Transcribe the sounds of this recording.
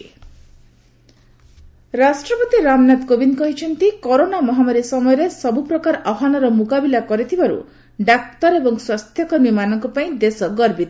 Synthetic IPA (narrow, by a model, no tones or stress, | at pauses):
ɾasʈɾɔpɔt̪iɾamnat̪kobinkɔɦit͡ʃʰɔnt̪ikɔɾonamɔɦamaɾisɔmɔjɔɾesɔbupɾɔkaɾɔbʱɦanɔɾɔmukabilakɔɾit̪ʰibaɾṵ | ɖak̚t̪ɔɾebɔŋswast̪ʰjɔkɔɾmimanɔŋkɔpaĩd̪esɔɡɔɾbit̪